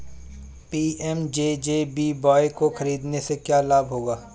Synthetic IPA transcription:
piːɛmd͡ʒeːd͡ʒeːbiːbɔːekoxɐɾiːd̪nesekjaːlaːbɦoːɡaː

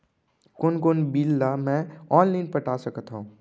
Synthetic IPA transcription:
konkonbiːlːamɛ̃ɔːnlaɪnpəʈasəkət̪ɦõ

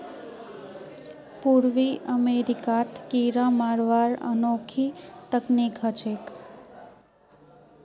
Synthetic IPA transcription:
puɾʋiʔəmeɾikat̪kiɾãmaɾʋaɾə̰nokʰit̪əknikɦət͡ʃʰek

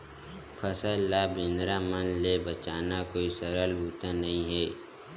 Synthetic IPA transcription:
pʰəsəlːaːbɪ̃nɾamənlebət͡ʃaːnakoːisəɾəlbuːt̪anɐɦĩɦɛː

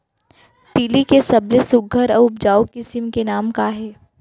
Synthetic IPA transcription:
t̪iːlikesɐblesʊɡʱəɾəʊp̚d͡ʒaːokɪsɪmkenaːmkaɦɛː

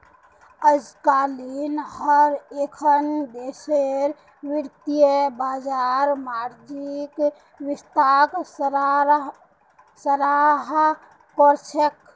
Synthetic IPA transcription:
əd͡ʒkalinhəɾekʰənd̪eseɾ | ʋiɾt̪ijebad͡ʒaɾmaɾd͡ʒik | ʋist̪ak | səɾaɦ | koɾt͡ʃʰek

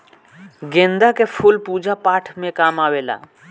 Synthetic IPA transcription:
ɡẽnd̪akepʰulpud͡ʒapaːʈʰmẽkaːmaːʋela̰

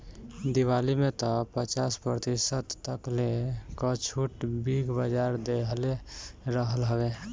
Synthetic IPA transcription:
d̪iwalimet̪ɔpət͡ʃaspɾət̪isət̪ːəklekət͡ʃʰuʈbiɡʱbəd͡ʒaɾd̪eɦleɾəɦəlɦəbe

